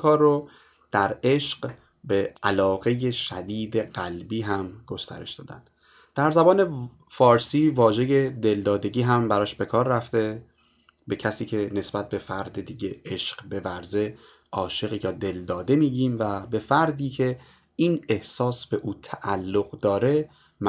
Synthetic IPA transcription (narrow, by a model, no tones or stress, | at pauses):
kʰɒːɾːo | d̪̥æɾe̞ʃq | beʔælɒːɣe̞je̞ʃæd̪iːd̪e̞ɢælbiːɦæmɡ̥o̞st̪æ̰ɾe̞ʃd̪ɒ̰ːd̪æ̰nd̪ | d̪̥æɾzæbɒːne̞ | fɒːɾsiːvɒːʒe̞je̞d̪e̞ld̪ɒːd̪e̞ɟiːɦæmbæɾɒːʃbe̞kʰɒːɾːæft̪e̞ | be̞cʰæsiːcʰe̞ne̞sbæt̪̚ʰbe̞fæɾd̪ed̪iːɟe̞ʔeʃɢ̥be̞væɾze̞ | ʔɒːʃe̞ɣjɒːd̪e̞ld̪ɒːd̪e̞miːɟiːmvæbe̞fæɾd̪iːcʰe̞ | iːne̞hsɒːsbeʔuːt̪ʰæʔælːoɣd̪ɒːɾe̞ | m